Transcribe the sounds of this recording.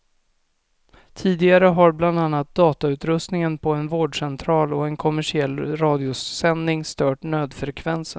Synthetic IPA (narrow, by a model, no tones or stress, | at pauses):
t̪ʰiːd̪ɪɡaɾəɦaɾbland̪anːat̪̚d̪ɑːt̪aʉ̟ːt̪ɾɵst̪nɪŋənpʰɔɛnvoːɖʂɛnt̪ʰɾɑːlɔɛnkʰɔmæʂɪɛlːɾɑːd̪ɪʊsɛnːɪŋst̪œːʈnøːd̪fɾɛkʰvɛnsən